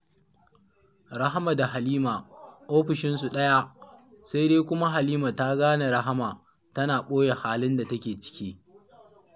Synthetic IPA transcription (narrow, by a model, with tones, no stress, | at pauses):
ɾa˦ɦa˦ma˨da˨ɦa˨liː˦ma˨ʔoː˦ɸɪ˨ʃɪ˦nsu˨ɗɐ˦ja˦ʔ | sa˦jdeː˦kʷʊ˦ma˦ɦa˨liː˦ma˨ta˦ɡaː˦na˨ɾa˦ɦa˦maː˨ | tɐ˦naː˨ɓoː˦je˨haː˦lɪ˦nda˨tɐ˦kʲeː˨t͡ʃɪ̥˦kʲiː˦